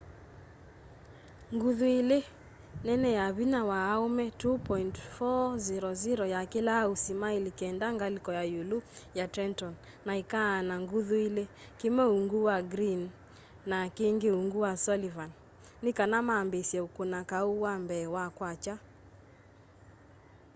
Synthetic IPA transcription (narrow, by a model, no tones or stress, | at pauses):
ŋɡuðuele | nɛnɛjaβinawaːomɛtupɔintfɔziɾɔziɾɔjakelausimaelikɛndaŋɡalikɔjajulujatɛntɔn | naikaːnaŋɡuðuile | kemɛuŋɡuwaɡɾinː | akeŋɡeuŋɡuwasɔlivan | nekanamaːmbesjɛukonakauwambɛːwakwat͡ʃa